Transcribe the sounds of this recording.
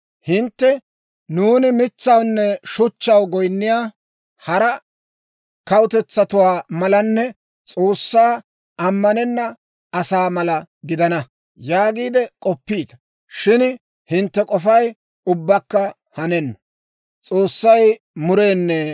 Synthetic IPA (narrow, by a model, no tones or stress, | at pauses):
hɪnt̪ːɛ | nuːnɪmɪt͡sːɐwnːɛʃʊt͡ʃːɐwɡɔjnːɪjaː | hɐɾɐ | kɐwʊt̪ɛt͡sːɐt̪ʊwaːmɐlɐnːɛ | t͡sʼo̞ːsːaː | ɐmːɐnɛnːɐ | ɐsaːmɐlɐɡɪd̪ɐnɐ | jaːɡiːd̪ɛkʼɔpːiːd̪ɐ̥ | ʃɪn | hɪnt̪ːɛkʼɔfɐj | ʊbːɐkːɐ | hɐnɛnːɐ | t͡sʼo̞ːsːɐj | mʊɾe̞ːnːɛ